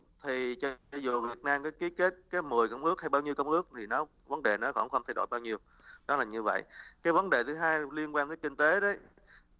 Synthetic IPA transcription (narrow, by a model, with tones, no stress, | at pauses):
t̪ʰi˨˩t͡ɕɔ˧˨˩zu˨˩vi˨˩ət̚naː˧mkaː˨˦jki˨˦ke˦˥t̚kaː˨˦jmɨ˨˩əjkə˧wŋ͡mʔɨ˦˥ək̚ha˧jɓaː˧wɲi˧əwkə˧wŋ͡mʔɨ˦˥ək̚t̪ʰi˨˩nɔ˨˦ | və˨˦nɗe˨˩nɔ˨˦xɔ̰˧˩nxə˧wŋ͡mt̪ʰa˧jɗo̰˧˨jɓaː˧wɲi˧əw | ɗɔ˨˦laː˨˩ɲɨ˧və̰˧˨jʔkaː˨˦jvə˨˦nɗe˨˩t̪ʰɨ˨˦ɦaː˧jli˧ənkwa˧nt̪əː˨˦jki˧ŋ̟t̪e˨˦ɗə˨˦j